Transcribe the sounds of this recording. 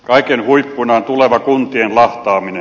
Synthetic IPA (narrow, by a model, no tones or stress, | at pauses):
kɑikenhuipːunɑːnt̪uleʋɑkunt̪ienlɑht̪ɑːmine